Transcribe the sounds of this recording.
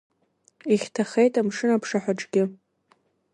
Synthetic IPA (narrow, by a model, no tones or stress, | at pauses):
iχʲtʰaχejtʼamʂɨnapʰʂaħʷᶣaʈ͡ʂʼɡʲɪ